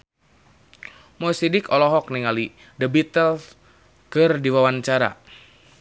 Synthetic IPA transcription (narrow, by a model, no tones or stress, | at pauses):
mɔsidikɔlɔɦɔk̚niŋali | dəbit̪əl | kɨrdiwawant͡ʃaɾa̰